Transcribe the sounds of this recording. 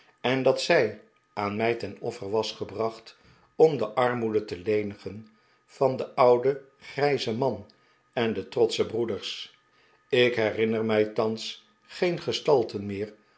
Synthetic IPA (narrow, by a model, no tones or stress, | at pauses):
ɛndɑtsɛj | aːnmɛjtɛnɔ̰fəɹʋɑsχəbrɑχt | ɔmdəʔɑɹmudətəlejnəχən | v̥ɑndəʔʌwdə | χrɛjzəmɑn | ɛndətrɔtsəbrudəɹs | ɪkɦɛrɪnəɹmɛjtɑns | χejnχəstɑlˠtənmɪːɹ